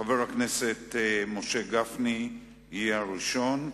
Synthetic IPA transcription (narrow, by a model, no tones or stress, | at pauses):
aveʁhaknese̞tmo̞ʃe̞ɡafni | haʁiʃo̞n